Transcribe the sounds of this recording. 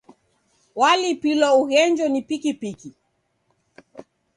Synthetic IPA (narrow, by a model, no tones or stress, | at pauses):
walipilɔuɣɛɲd͡ʒɔnipikipiki